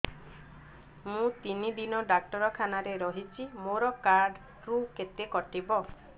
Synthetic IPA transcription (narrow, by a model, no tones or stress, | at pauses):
mũt̪inid̪inɔɖak̚ʈɔɾɔkʰanaɾeɾɔɦit͡ʃʰimoɾɔkaɾɖ | ɾuket̪ekɔʈibɔ